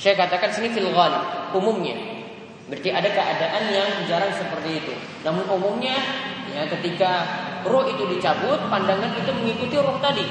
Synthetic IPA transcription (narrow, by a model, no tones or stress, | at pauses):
sajakat̪akansinifilɣalɪb̚umʊmɲa̰ | bəɾt̪iʔadakəadaʔanjaŋd͡ʒaɾaŋsəpərt̪iːt̪u | namʊnumʊmɲajakət̪ikarɔhit̪udit͡ʃabʊt̪̚pandaŋanit̪uməŋikut̪iɾɔht̪adi